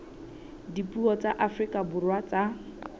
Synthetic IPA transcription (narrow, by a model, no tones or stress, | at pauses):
dipʼuɔt͡sʼaʔafrikʼabʊrwat͡sʼa